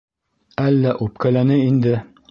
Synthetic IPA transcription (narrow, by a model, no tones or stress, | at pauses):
ælːæʔup̚kælænɘind̪ɘ